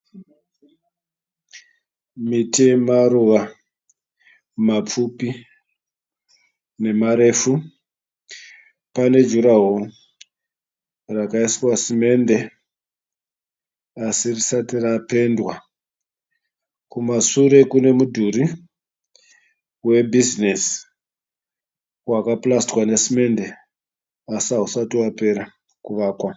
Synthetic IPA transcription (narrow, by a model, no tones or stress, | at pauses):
mitemaruʋa | map͡fupi | ne̞maɾe̞ːfu | pane̞d͡ʒuɾaɦo | rakaiswasime̞nde̞ | asirisatirape̞ndwa | kumasuɾe̞kune̞mudʱuɾi | we̞bʱizines | wakaplastwanesime̞nde | asiaɦusatiwape̞ɾa | kuʋaːkwa